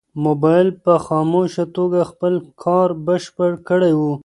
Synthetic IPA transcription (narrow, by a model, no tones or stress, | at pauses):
mobɑjɪlpəxɑmoʃat̪oɡaxpəlkʰɑɾbəʃpəɽkəɽejwu